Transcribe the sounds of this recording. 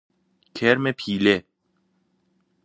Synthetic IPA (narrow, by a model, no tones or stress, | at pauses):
kʲʰɛɾmepʰiːle